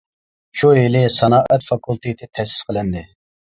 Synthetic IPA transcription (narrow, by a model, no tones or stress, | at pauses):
ʃuɦelɪsɑnɑːʔɛt̪fɑkʰulˠt̪ʰɨt̪ʰɪt̪ʰɛsɪ̥sqʰəlɨnd̪ɪ